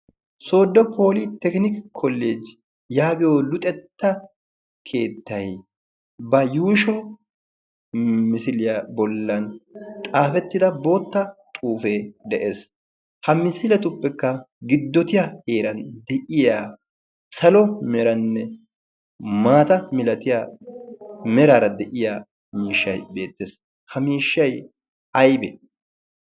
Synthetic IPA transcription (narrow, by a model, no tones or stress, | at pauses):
so̞ːd̪ːɔpʰoːlit̪ːɛknɪkkʰːɔlːeːd͡ʒ | jaːɡɛjolʊt̪ʼɛt̪ːɐ | kʰe̞ːt̪ːɐj | bɐjuːʃɔ | mɪsɪlɪjɐbɔlːɐnt̪ʼaːfɛt̪ːɪd̪ɐbo̞ːt̪ːɐt̪ʼuːfeːd̪ɛʔeːs | hɐmɪsɪlɛt̪ʊpːɛkːɐ | ɡɪd̪ːɔt̪ɪjaheːɾɐnd̪ɛʔɪjaː | sɐlɔmɛɾɐnːɛ | maːt̪ɐmɪlɐt̪ɪjaː | mɛɾaːɾɐd̪ɛʔɪjaː | miːʃːɐjbe̞ːt̪ːeːs | hɐmiːʃːɐj | ɐjbɛ̰